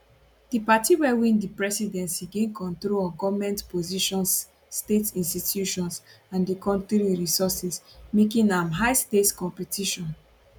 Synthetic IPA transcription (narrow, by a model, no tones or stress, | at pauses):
d̥ipatiwɛwĩndipɹɛsidɛ̃nsiɡẽnkʰɔ̃ntɹoɔɡɔvmɛ̃ntpoziʃɔ̃nsː | tetĩnstitʰjuʃɔ̃ns | ãndikɔ̃ntɾiɹisɔsɛsmekĩnãmɦaɪstetkɔ̃mpɛtʰiʃɔ̃n